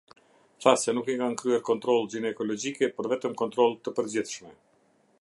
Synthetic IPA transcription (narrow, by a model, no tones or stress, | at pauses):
θasɛnukikankɾyɛɾkɔnt̪ɾɔlˠd͡ʑinɛkɔlɔd͡ʑikɛpəɾvɛt̪əmkɔnt̪ɾɔlˠt̪ːəpəɾd͡ʑiθʃmɛ